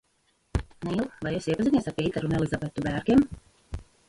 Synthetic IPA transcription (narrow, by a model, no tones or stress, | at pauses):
nilˠvajɛsiɛpaziniɛsaɾpʲiɛiːt̪ɛɾunɛlˠizabet̪ubæːɾɡʲem